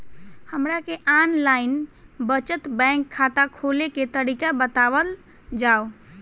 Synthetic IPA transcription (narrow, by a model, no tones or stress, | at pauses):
həmɾakeʔanlaɪnbət͡ʃət̪bə̃ŋkʰːat̪akʰoleket̪əɾikabət̪aʋəl | d͡ʒao